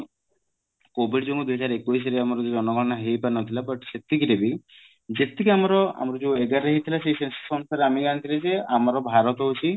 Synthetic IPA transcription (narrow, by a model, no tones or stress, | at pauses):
kobiɖd͡ʒoŋud̪uɦɔd͡ʒaɾekuis̬ɔɾeamɔɾɔd͡ʒud͡ʒɔnɔɡɔnaɦejpanɔt̪ʰilapɔʈi̥set̪ikiɾebi | d͡ʒet̪ikiamɔɾɔa̰mɔɾɔd͡ʒueɡaɾeɦit̪ʰilaseisessɔnst̪aɾamianit̪ʰiled͡ʒeamɔɾɔbʱaɾɔt̪ɔɦut͡ʃʰi